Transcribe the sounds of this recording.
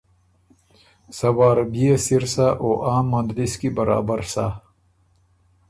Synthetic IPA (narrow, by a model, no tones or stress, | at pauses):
sɐwaːɾbijesiɾsaʔoʔaːmːɐnd̪liskibɐɾa̰ːbɐɾsa